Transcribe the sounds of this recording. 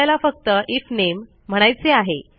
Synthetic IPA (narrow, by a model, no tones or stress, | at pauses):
jlafək̚t̪əʔifnem̤ː | əɽ̃ajt͡seaɦe